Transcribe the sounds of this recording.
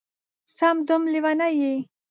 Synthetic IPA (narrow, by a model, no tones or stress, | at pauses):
samd̪ʊmliwanaji